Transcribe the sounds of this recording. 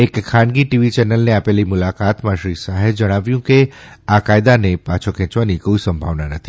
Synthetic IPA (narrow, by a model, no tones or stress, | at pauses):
ekʰːãɳɡiʈiʋit͡ʃɛnəlneapelimʊlakat̪mãʃɾisaɦed͡ʒəɽ̃aʋjũke | akajd̪anepat͡ʃʰokʰɛ̃t͡ʃʋanikoisəmbʱa̰ʋnanət̪ʰi̥